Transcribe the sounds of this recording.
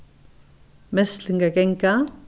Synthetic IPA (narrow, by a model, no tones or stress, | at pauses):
mɛsɬiŋɡakɛŋka